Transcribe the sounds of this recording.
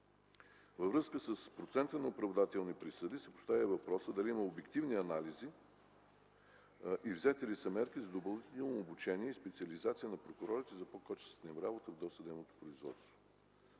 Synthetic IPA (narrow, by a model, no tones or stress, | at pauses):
vəvɾɤskəsəspɾot̪sɛnt̪ənɐopɾɐvd̪at̪ɛlˠnipɾisəd̪isɛpʊ̥st̪avʲəvɐpɾɔsəd̪ɐliiməobɛkt̪ivniɐnalizi | ʔivzɛt̪ɛlisɐmɛɾkizɐd̪obɐlˠnt̪t̪ɛlˠnoːbut͡ʃɛniɛispɛt̪siəlizat̪sʲijənɐpɾokʊɾɔɾit̪ɛzɐpokɔt͡ʃɛ̥snɛmɾabot̪əvd̪ɔst̪əd̪ɛmnot̪o̥pɾoizvɔ̰t̪st̪vo